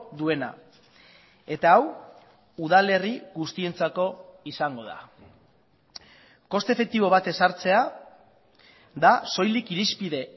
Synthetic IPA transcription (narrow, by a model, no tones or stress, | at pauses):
d̪ue̞na̰ | e̞t̪aːw | uðale̞riɣust̪ie̞nt͡sako̞isaŋɡo̞ð̞a̰ | ko̞st̪e̞fe̞k̚t̪iβo̞β̞at̪e̞saɾt͡se̞a | ðaso̞jlikiɾispiðe̞